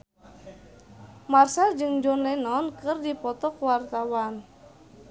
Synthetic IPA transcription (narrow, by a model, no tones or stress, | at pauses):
marsald͡ʒɨŋd͡ʒɔnlɛnɔnkɨrdipɔt̪ɔkwart̪awan